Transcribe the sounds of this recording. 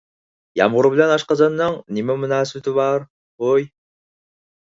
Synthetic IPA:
jɑ̰mʁʊɾɨbɪlɛnɑʃqɑzɑnːɨŋnɪmɛmunɑːst̪ɪβɑɾ | oj

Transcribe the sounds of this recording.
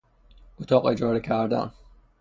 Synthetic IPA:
ot̪ʰɒːqed͡ʒɒːɾecʰæɾd̪æ̰n

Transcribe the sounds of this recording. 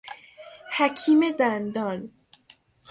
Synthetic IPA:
hækʰiːmed̪ænd̪ɒːn

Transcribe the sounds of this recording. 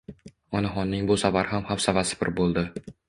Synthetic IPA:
ɒnaɦɒnːɪŋbʊsavaɾhamhawsavasɪ̥pɪ̰ɾbolˠd̪ɪ

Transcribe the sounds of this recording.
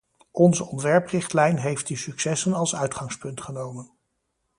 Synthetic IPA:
ɔnzəɔntʋɛɹprɪχtlɛjnɦejft̚dəsyksɛsənɑlˠsœɥtχɑŋspɵntχənowmən

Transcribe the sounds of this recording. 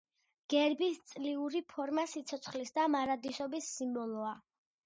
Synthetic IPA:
ɡ̥ɛɾbist̪sʼliuɾipʰɔɾmasit̪sʰɔt̪sʰχlisd̪amaɾad̪isɔbisːimbɔlˠɔa

